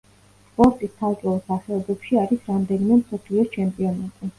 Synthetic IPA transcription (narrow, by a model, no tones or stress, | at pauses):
spʼɔɾt̪ʼist̪ʰat̪ʼɔɔsaχɛɔbɛpʃiaɾisɾamd̪ɛnimɛmsɔpʰliɔt͡ʃʰɛmpʼiɔnat̪ʼi